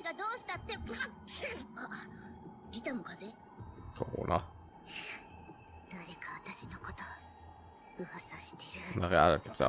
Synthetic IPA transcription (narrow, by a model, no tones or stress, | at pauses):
iɡad̪o̞ːɕi̥t̪at̪ːe̞a | ɾʲit̪amoɡaze | so̰ːnʔa̰ | d̪̥aɾe̞kʰaβat̪aɕinoko̞t̪o | ɯ̟hasaɕi̥t̪e̞ɾɯnaɾea̰ɾakesa̰